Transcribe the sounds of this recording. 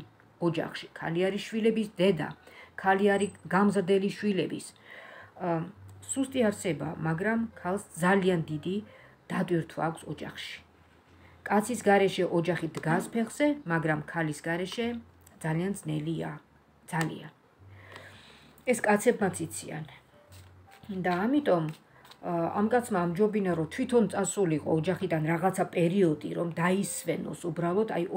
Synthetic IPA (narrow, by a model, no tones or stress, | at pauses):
ɔd͡ʒa̰χʃi̥kʰa̰liaɾiʃwilɛbisd̪ɛd̪a̰kʰaliaɾiɡamzɾd̪ɛliʃwilɛbḭs | sust̪ʼiaɾsɛba̰maɡɾamkʰalˠsd̪zaliand̪id̪id̪̥at̪ʼwiɾt̪ʰwa̰ːkʷʰsɔd͡ʒa̰χʃi̥ | kʼat̪sʰisɡaɾɛʃɛʔɔd͡ʒaχid̪ɡaspʰɛχz̥ɛmaɡɾamkʰalisɡaɾɛʃɛ | d̪zaliand̪znɛlia̰ | d̪z̥alḭan | ɛskʼat̪sʰɛbmat̪sʰit̪sʰia̰n | d̪aːmit̪ʼɔm | a̰mkʼat̪sʰmaːmd͡ʒɔbinaɾɔt̪ʰwit̪ʰɔnt̪sʼasuliqʼɔ̰ːd͡ʒaχid̪anɾaʁat̪sʰapʼɛɾiɔd̪ḭɾɔmd̪aisvɛnɔ̰subɾalˠɔt̪ʰaj